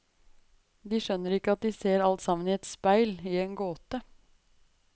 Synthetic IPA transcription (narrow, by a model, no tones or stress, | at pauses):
d̪iːʃœnːəɾɪkːəɑt̪̚d̪iːseːɾɑlt̪sɑmən̩iːɛt̪spæɪliːeːnɡoːt̪ə